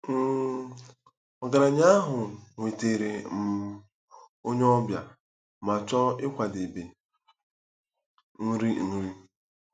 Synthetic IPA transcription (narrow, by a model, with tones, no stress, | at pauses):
ɔ˨ɡa˨ɾa˨ɲa˦a˦ɦʊ˨ŋʷe˨te˨ɾe˨m̩˨ | o˦ɲe˦ɔ˦bja̰˨ | ma˨t͡ʃɔ˦ɪ˦kʷa˨de˨be˨ | n̩˦ɾi˦n̩˦ɾi˦